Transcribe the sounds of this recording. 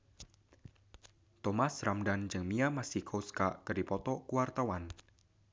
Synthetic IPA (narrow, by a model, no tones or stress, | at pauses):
t̪ɔmasramdand͡ʒɨŋmiamasikʰoskaʔkərdipɔt̪ɔkuwart̪awan